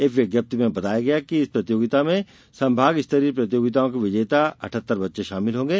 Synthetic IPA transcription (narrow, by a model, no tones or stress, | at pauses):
eːkʋjɐɡjəp̚t̪imẽbɐt̪aːjaɡɐjakiɪspɾɐt̪joːɡɪt̪amẽ | sɐ̃mbʱaːɡɪst̪əɾiːpɾɐt̪joːɡɪt̪aõkeʋɪd͡ʒeːt̪aɐ̰ʈʰət̪ːəɾbɐtːʃeʃaːmɪlɦõːŋɡeː